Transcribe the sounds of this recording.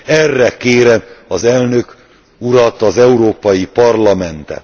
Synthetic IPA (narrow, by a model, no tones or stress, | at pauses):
ɛrːɛkeːɾɛɒzɛlnø̞k | uɾɒt̪ɒzɛuɾoːpɒjipɒrlɒmɛnt̪ɛ̰